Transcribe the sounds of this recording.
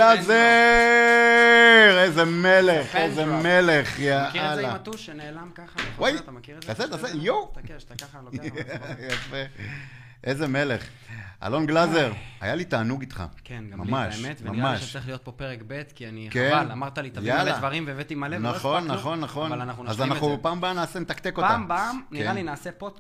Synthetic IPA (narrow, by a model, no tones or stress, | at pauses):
aze | ʁejzemeleχezemele̞χjaalat̪unelamkawajt | taset̪asejow | jafe | ʔezeme̞le̞χ | a̰lo̞nɡlaze̞ʁa̰jalit̪aːnuɡit̪χa̰kenɡmamaʃʃmet̪vmamaʃsɐʁiχlijot̚popeʁekbet̪kianikealamaʁt̪alit̪ajaleadvaʁimveevet̪imalenaχo̞nːaχo̞nːaχo̞nanaχnunazannaupaːmbaamnaːsenet̪akt̪eko̞p̪ambamnkealinaːsepot̪